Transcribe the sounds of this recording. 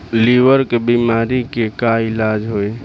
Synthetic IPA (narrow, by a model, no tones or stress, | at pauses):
liʋəɾkebiːmaːɾikekaɪlaːd͡ʒɦoeː